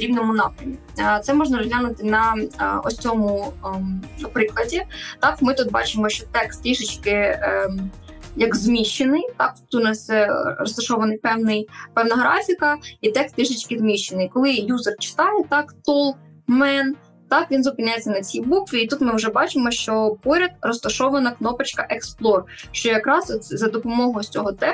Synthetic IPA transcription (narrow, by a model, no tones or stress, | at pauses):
ɾʲiwnɔmʊnɑpɾʲɐmʲi | t̪sɛmɔʐnɐɔzɦlʲanʊt̪ɪnɐɔ̰sʲt͡sʲɔmʊ | ɐpɾɪklˠɐdʲit̪ɑkmɪt̪ut̪̚bɑt͡ʃɪmɔʃt͡ʃɔt̪ɛkst̪ʲiʃɪt͡ʃkɪ | jɐɡzmʲiʃenɪjt̪ɑk̚t̪ut̪nɑsʲɛrɔst̪ɐʃɔʋɐnɪjpɛwnɪjpɛwnɐɦɾɑfʲikɐit̪ɛkst̪ɪʒɪt͡ʃkɪzmʲiʃenɪjkɔlˠɪjuzɐrt͡ʃɪ̥t̪ɑjɛt̪ɑkt̪ɔlˠ | mɛn | t̪ɑkʋʲinzʊpɪnʲajet͡sʲːɐnɐt͡sʲibukʋʲiːt̪ut̪mɪwʒɛbɑt͡ʃɪmɔʃt͡ʃɔpɔɾʲɐd̪̚rɔst̪ɐʃɔʋɐnɐknɔpɪt͡ʃkɐʔɛksplˠɔrʃt͡ʃɔjɐkɾɑsɔt̪zɐd̪ɔpɔmɔɦɔjt͡sʲɔɦɔt̪ɛ